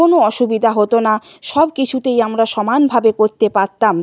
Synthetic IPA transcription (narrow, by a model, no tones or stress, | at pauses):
onoɔʃubid̪ʱaɦot̪ona | ʃɔbkit͡ɕʰut̪ejamɾaʃɔmanbʱabekoɾt̪epaɾt̪am